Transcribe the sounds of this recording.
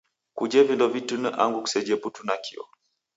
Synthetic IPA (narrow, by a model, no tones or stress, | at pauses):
kud͡ʒɛvindɔvitunəʔa̰ŋɡuku̥sɛd͡ʒɛputunakḭɔ̰